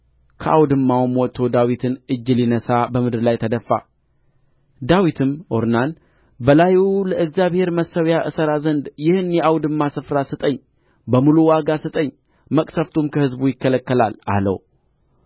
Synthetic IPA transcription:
kʰəʔawd̪ɨmːawmwɔt̪ʰːo̞d̪awit̪ʰɨnʔɨd͡ʒːɨlinəsabəmɨd̪ɨɾlajt̪ʰəd̪əfːa̰ | d̪awit̪ʰɨmʔoɾnan | bəlajuləʔɨɡzjaβhe̞ɾməsːəwjaʔɨsəɾazənd̪jɪhɨnjɛawd̪ɨmːasɨfɾasɨt̪ʼəɲː | bəmuluwaɡasɨt̪ʼəɲː | məkʼsəft̪ʰumkʰəhɨzbujɪkːələkːəlala̰lə̰w

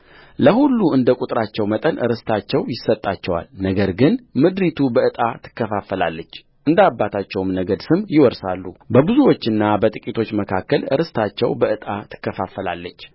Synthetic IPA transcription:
ləhulːuɨnd̪əkʼut̪ʼɾat͡ʃːɛwmət̪ʼənʔɨ̰ɾɨst̪ʰat͡ʃːɛwjɪsət̪ʼːat͡ʃːɛwa̰lnəɡəɾɡɨnmɨd̪ɾit̪ʰubəɨt̪ʼat̪ʰɨ̥kːəfafəla̰lːət͡ʃː | ʔɨnd̪abːat̪ʰat͡ʃːɛwmnəɡəd̪sɨmjɪwɔɾsalːubəbɨzuwo̞t͡ʃːɨnːabət̪ʼɨkʼit̪ʰo̞t͡ʃːməkʰakːəlɨ̰ɾɨst̪ʰat͡ʃːɛ̰wbəʔɨt̪ʼat̪ʰɨ̥kːəfafəla̰lːət͡ʃː

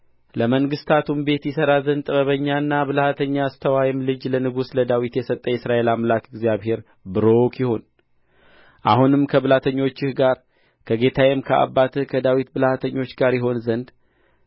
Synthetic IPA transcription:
ləməŋɡɨst̪ʰat̪ʰumbe̞t̪jɪsəɾazənd̪ʼɨβəβəɲːanːaβɨlhat̪ʰəɲːaːst̪ʰəwajɪmlɨd͡ʒlənɨɡusləd̪awit̪jɛsət̪ʼːəjɛsɾaʔe̞lamlakɪɡzjaβhe̞ɾ | bɨɾo̞kʰjɪho̞n | ʔahunɨmkʰəβɨlat̪ʰəɲːo̞t͡ʃːɪhɡaɾ | kʰəɡe̞t̪ʰajɛmkʰəʔa̰bːat̪ʰɨhkʰəd̪awit̪̚bɨlhat̪ʰəɲːo̞t͡ʃːɡaɾjɪɦo̞nzənd̪

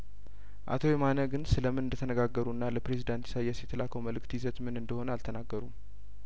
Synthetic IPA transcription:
ʔa̰t̪ʰo̞jɛmanəɡɨnsɨləmɨnɨnd̪ət̪ʰənəɡaɡːəɾuɨnːaləpɾe̞zid̪ant̪jɛ̥sajːɛsjɛt̪ʰəlakʰəwməlɨkt̪jizət̪mɨnɨnd̪əho̞nəalt̪ʰənaɡːəɾum

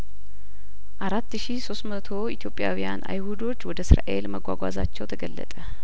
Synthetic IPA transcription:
ʔaɾat̪ːʃiso̞st̪mət̪ʰo̞it̪ʰjo̞pʼːjawijanʔa̰jhud̪o̞t͡ʃːwɔd̪əsɾa̰ʔe̞lməɡʷwa̰ɡʷaza̰t͡ʃːɛwt̪ʰəɡəlːə̰t̪ʼə

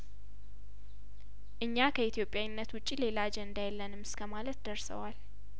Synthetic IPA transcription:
ʔɨɲːakʰəit̪ʰijo̞pʼjawnːət̪wʊt͡ʃʼːile̞lad͡ʒɛɨnd̪ajɛlːənɨmɨskʰəmalət̪d̪əɾsə̰wal

